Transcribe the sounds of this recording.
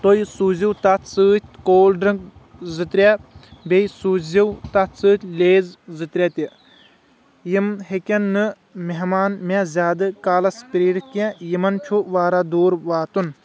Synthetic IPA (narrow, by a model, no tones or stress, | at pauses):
t̪ojsuːziwt̪ɐt̪ʰsɨːt̪ʲkoːlɖɾɨŋkzɨt̪ɾʲebejsuːziwt̪ɐt̪ʰsɨːt̪ʲleːzzɨt̪ɾʲɛt̪i | jimɦekʲɐnːɨ | meɦmaːnmezʲaːd̪ɨkaːlɐspɾiːɽikʲẽjimɐnt͡ʃʰuʋaːɾad̪uːɾʋaːt̪un